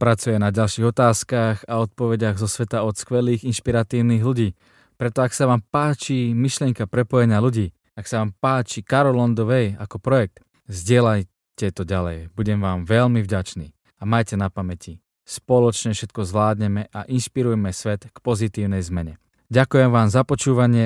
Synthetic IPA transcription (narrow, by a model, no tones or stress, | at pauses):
pɾat͡sujɛnaɟalʃiːɣɔt̪aːskaɣaɔt̪̚pɔʋɛɟaɣzɔsʋɛt̪aɔt̪skʋɛliːɣinʃpiɾat̪iːʊniːɣluɟiː | pɾɛt̪ɔaksaʋaːmpaːt͡ʃimiʃlɪɛŋkapɾɛpɔjɛɲɪaluɟiː | aksaʋaːmpaːt͡ʃikaɾɔlɔnd̪ɔʋɛja̰kɔpɾɔjɛk̚t̪ | zɟɪɛlaj | cɛt̪ɔɟalɛjbuɟɛmʋaːmʋɛʎmivɟat͡ʃnḭː | amajcɛnapamɛci | spɔlɔt͡ʃɲɛfʃɛt̪̚kɔzʋlaːd̪ɲɛmɛʔaʔinʃpiɾujɛmɛsʋɛt̪kpɔzit̪iːʊnɛjzmɛɲɛ | ɟakujɛmʋaːmzapɔt͡ʃuːʋaɲɪɛ